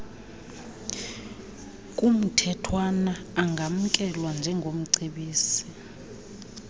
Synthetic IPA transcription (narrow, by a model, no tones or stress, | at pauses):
kʼum̩tʰɛtʰwanaːŋɡʱam̩kʼɛlwand͡ʒʱɛŋɡʱom̩ǀeɓiːsi